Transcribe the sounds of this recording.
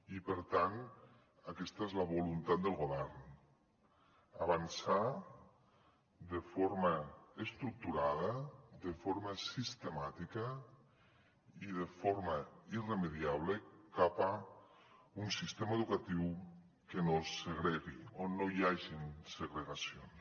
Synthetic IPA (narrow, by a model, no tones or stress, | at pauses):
ipəɾt̪an | akɛst̪aezlaβolunt̪at̪̚d̪əlˠɣoβɛɾn | aβansa | d̪efoɾmaest̪ɾuk̚t̪uɾaðɐðefoɾmasist̪emat̪ikə | iðefoɾmairemeðiaβ̞lekapa | unsist̪emaeðukat̪iw | kenoseɣɾeɣionːojaʒinseɣɾeɣasions